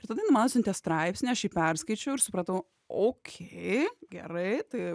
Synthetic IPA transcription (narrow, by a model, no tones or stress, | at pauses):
ɪɾt̪ɐd̪ɐinumɑnosʲɪnt̪ʲɛst̪ɾɐɪpʲsʲnʲiɐʃiːpʲɛɾskɐɪt͡ʃʲɛʊɪɾsʊpɾɐt̪ɐʊ | oːkʲʰeɪɡʲɛɾɐɪt̪ɐɪ